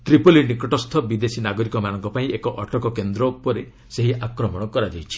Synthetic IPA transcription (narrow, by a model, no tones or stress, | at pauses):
t̪ɾipolinikɔʈɔst̪ʰɔbid̪esinaɡɔɾikɔmanɔŋkɔpaĩekɔʔɔʈɔkɔkend̪ɾɔupɔɾe | seɦiʔakɾɔmɔɽ̃ɔkɔɾad͡ʒajt͡ʃʰi̥